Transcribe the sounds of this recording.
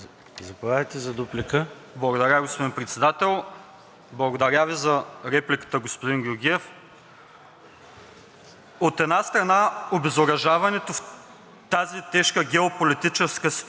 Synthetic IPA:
zɐpaɐjt̪ɛzɐd̪uplʲikə | blˠɐɡod̪ɐɾʲaɡospod̪inpɾɛt̪sɛd̪at̪ɛlˠ | blˠɐɡod̪ɐɾʲavizɐɾɛplikə̥t̪əɡospod̪inɡʲʊɾɡʲiɛf | ot̪ɛd̪nast̪ɾɐnaobɛzoɾɐʒavɐnɛt̪of | t̪azit̪ɛʃkəɡʲɛopolit̪it͡ʃɛskəs

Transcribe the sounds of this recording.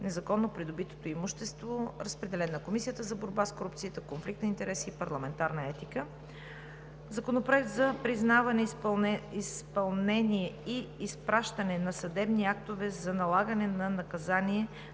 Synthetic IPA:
nɛzɐkɔnːopɾid̪obit̪o̥t̪oimuʃt̪ɛst̪voɾəspɾɛd̪ɛlɛnɐkomisijət̪əzɐboɾbaskoɾup̚t̪siit̪əkonflik̚t̪nint̪ɛɾɛsiːpɐɾlˠɐmɛnt̪aɾnəɛt̪ikə | zɐkonopɾoɛk̚t̪zɐpɾiznavɐnɛ | ispɐlˠnɛniɛiːspɾaʃt̪ənɛnɐsɐd̪ɛbniak̚t̪ovɛzɐnɐlˠaɡənɛnɐnɐkɐzanʲiɛ

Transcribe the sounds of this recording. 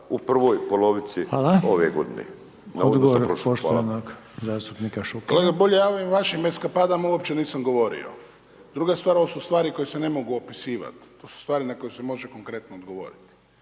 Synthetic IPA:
upr̩ʋojpoloʋit̪sialao̞ʋeɡod̪inḛ | nad̪ɡooɾpɾooʃt̪anak | zaːst̪upnikaʃukoleɡaboʎejaːoʋimʋaʃimeskapaːd̪amauopt͡ɕe̞niːsamɡo̞ʋo̞ɾḭo̞̰ | d̪ɾuɡast̪ʋaːɾoʋasust̪ʋaːɾiko̞jese̞ne̞mo̞ɡuopisiːʋa̰t̪t̪ːoːsu̥st̪ʋaːɾinako̞jusemo̞ʒeko̞ŋkɾe̞t̪noːd̪ɡo̞ʋo̞̰ɾit̪i̥

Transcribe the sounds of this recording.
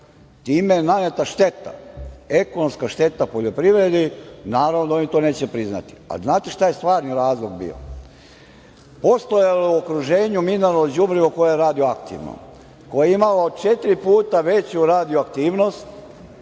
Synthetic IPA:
t̪iːmeenanet̪aʃt̪e̞t̪a̰e̞konomskaʃt̪e̞t̪apo̞ʎo̞pɾiʋɾed̪inaːɾaʋnod̪aonit̪o̞ne̞ːt͡ɕepɾizna̰t̪i̥a̰liznaːt̪eʃt̪ajest̪ʋaːɾniɾaːzlˠoɡbḭːo̰ | po̞st̪ojelouokɾuʒe̞ːɲumineɾlod͡ʑubɾiʋoko̞jejeɾaːd̪io̞akt̪ḭʋno̰ | ko̞jeimalaod̪̚t͡ʃe̞t̪ɾipuːt̪aʋe̞t͡ɕuɾaːd̪ioak̚t̪iːʋno̞st̪

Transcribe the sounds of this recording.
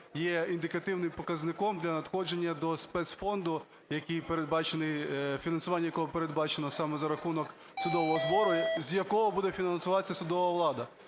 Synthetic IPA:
jɛind̪ɪkɐt̪ɪwnɪmpɔkɐznɪkɔmd̪lʲɐnɐd̪xɔd͡ʒe̞nʲːɐd̪ɔspɛt̪sfɔnd̪ʊ | jɐkijpeɾed̪̚bɑt͡ʃenɪfʲinɐnsʊʋɑnʲːɐjɐkɔɦɔpeɾed̪bɑt͡ʃenɔsɑmɛzɐɾɐxunɔk | sʊd̪ɔʋɔɦɔzbɔɾʊzjɐkɔɦɔbud̪ɛfʲinɐnsʊʋɑt͡sʲːɐsʊd̪ɔʋɐʋlˠɑd̪ɐ

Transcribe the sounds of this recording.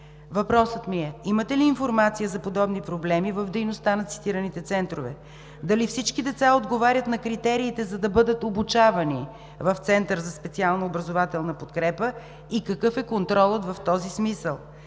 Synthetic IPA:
vɐpɾɔsət̪miɛimət̪ɛliːnfoɾmat̪sijəzɐpod̪ɔbnipɾoblɛmivɐvd̪ɛjnost̪anɐt̪si̥t̪iɾənit̪ɛt̪sɛnt̪ɾovɛ̰ | d̪ɐlifsit͡ʃkid̪ɛt̪saod̪ɡovaɾʲət̪nɐkɾit̪ɛɾiːt̪ɛzɐd̪ɐbɤd̪ət̪obut͡ʃavɐni | vɐft̪sɛnt̪əɾzɐspɛt̪sialˠnɐobɾɐzovat̪ɛlˠnɐpot̪kɾɛpə | ikɐkɤfɛkont̪ɾɔlˠət̪vɐft̪ɔzismisəlˠ

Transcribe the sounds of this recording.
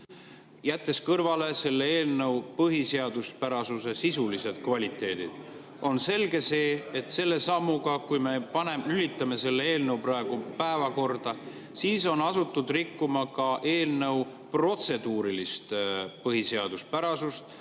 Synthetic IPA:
jæt̪ːe̞skɤrvɑle̞se̞lːeeːlnɤwpɤɦiseɑd̪̥uspæɾɑsuse̞sisulise̞d̪̥kvɑlʲit̪ːˑe̞ːd̪̥id̪̥ | o̞nse̞lɡe̞se̞ːet̪se̞lːe̞sɑmːuɡɑkujme̞pɑne̞mylit̪ːˑɑme̞se̞lːe̞e̞ːlnə̞wprɑe̞ɡ̥upæevɑko̞rd̪̥ɑ | siːso̞nɑsut̪ːˑud̪̥rikːumɑkɑʔe̞ːlnɤ̞w | pro̞t̪se̞d̪uːɾilist̪pɤɦise̞ɑd̪uspæɾɑsust̪

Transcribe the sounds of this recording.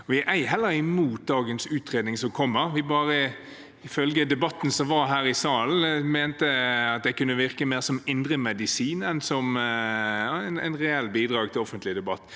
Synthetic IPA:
ɔʋɪʔæɪɦɛlːəɾɪmuːt̪̚d̪ɑːɡənsʉːt̪ʁeːd̪nɪŋsɔmkʰɔmːəʁʋɪbɑːʁə | ɪfœlɡəd̪ɛbɑt̪ːn̩sɔmʋɑɾɦæːɾɪsɑːln̩mæːnt̪əɑt̪̚d̪ɛkʉnːəʋɪɾkəmeːʁsɔmɪnd̪ɾəmɛd̪ɪsiːnɛnsɔm | næ̰ɪnʁɛɛlːbiːd̪ɾɑːɡ̚t̪ʰɪlɔfənt̪lɪd̪ɛbɑt̪ː

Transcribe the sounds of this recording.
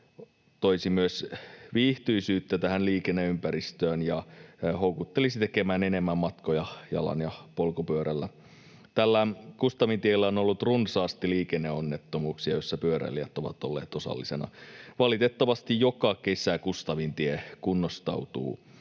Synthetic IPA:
t̪oisimyøsʋiːht̪yisyːt̪ːæt̪æhænliːkenːeympæɾist̪øːnjɑhowkut̪ːelisit̪ekemæːnenemːæmːɑt̪kojɑjɑ̰lɑ̰njɑpolkopyøɾælːæ | t̪ælːækust̪ɑʋint̪ielːæonolːut̪runsɑːst̪iliːkenːeonːet̪ːomuːksiɑjosːɑpyøɾæ̰liæt̪oʋɑ̰t̪olːḛːt̪o̞sɑ̰lːisenɑ̰ʋɑlit̪et̪ːɑʋɑst̪ijjokɑke̞sækust̪ɑʋint̪iekunːost̪ɑ̰wt̪ṵː

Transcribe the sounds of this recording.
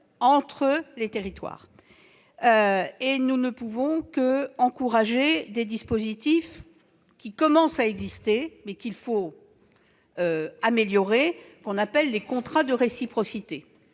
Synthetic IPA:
ɑ̃t̪χəlet̪eʁit̪wa̰ːʁ | øenunəpuvɔ̃kəɑ̃kuʁaʒed̪ed̪ispozit̪if | kʲikɔmɑ̃saɛɡzist̪emɛkʲilfo | øameljɔʁekɔ̃napɛlːekɔ̃t̪χad̪əʁesipχɔsit̪e

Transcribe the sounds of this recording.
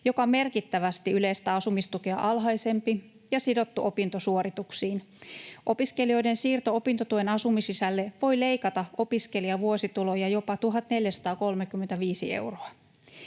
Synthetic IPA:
jo̞kɑme̞rkit̪ːæʋæst̪iylejst̪æɑsumist̪ukeɑ̰ʔɑlɦɑise̞mpi | jɑsido̞t̪ːuʔo̞pint̪osuoɾit̪uksiːn | ʔo̞piske̞lio̞jdensiːrt̪oopint̪ot̪uenɑsumisisælːeʋo̞jle̞ikɑt̪ɑo̞piske̞liɑʋuosit̪ulo̞jɑjo̞pɑt̪uɦɑt̪ne̞ljæsɑ̥t̪ɑːko̞lmekymːent̪æʋiːsiḛwroɑ

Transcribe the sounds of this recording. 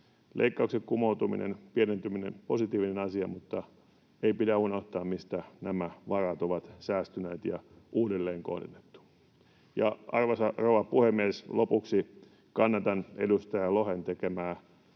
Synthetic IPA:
lʔeikːɑuksekkumout̪umḭnḛnpienent̪yminḛmposit̪iːʋinenɑsiɑmut̪ːɑ | eipidæunoht̪ɑːmmist̪ænæmæʋɑrɑt̪oʋɑt̪sæːst̪yneːt̪jɑ | ʔuːdelːeːŋko̰hdenːet̪ːu̥ | jɑɑrʋɑsɑroʋɑpuhemːieslopuksi | kɑnːɑt̪ɑnḛdust̪ɑjælohent̪ekemæː

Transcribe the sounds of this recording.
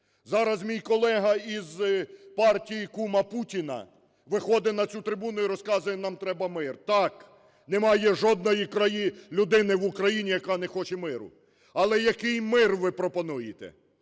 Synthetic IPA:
zɑɾɐzmʲijkɔlˠɛɦɐizpɑrtʲijikumɐputʲinɐ̰ | ʋɪxɔd̪ɪnɐt͡sʲut̪ɾɪbunʊiɾɔskɑzʊjɛnɑmt̪ɾɛbɐmɪrt̪ɑk | nɛmɑjɛʒɔd̪̚nɔjikɾɐjilʲʊd̪ɪnɪʋʊkɾɐjinʲijɐkɑnɛxɔt͡ʃɛmɪɾʊ̰ | ɐlˠɛjɐkɪjmɪrʋɪpɾɔpɔnujɪt̪ɛ̰

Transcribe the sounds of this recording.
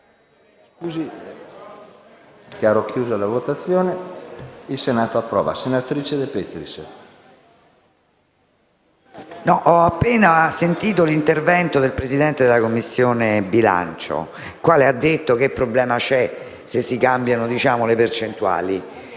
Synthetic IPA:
skuːzi | keaɾɔkːjuːzolavot̪at̪sːjoːne | ilsenaːt̪oapːɾɔ̰ːva̰senat̪ɾiːt͡ʃed̪epet̪ɾis | nɔʔɔapːeːnasent̪iːt̪̬olint̪ervɛnt̪od̪elpɾezid̪ɛnt̪ed̪elakomːisːjoːnebila̰nt͡ʃo̰ | kwaːlead̪ːet̪ːok̟epːɾoblɛːmat͡ʃɛ | sesːikambjanod̪it͡ʃaːmolepert͡ʃent̪ua̰ːli

